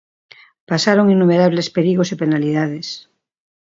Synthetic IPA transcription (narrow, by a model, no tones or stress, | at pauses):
pasaɾoŋinːumeɾaβ̞lespeɾiɣosepenaliðaðes